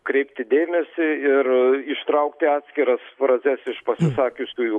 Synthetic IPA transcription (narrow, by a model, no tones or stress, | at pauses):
kɾʲɛɪpʲt̪ʲɪd̪ʲeːmʲɛsʲɪɪrɪʃt̪ɾɐʊkt̪ʲɪɑːt̪sʲkʲɪɾɐspɾɐzʲɛsɪʃpɐsʲɪsɑːkʲʊsʲkʲuːju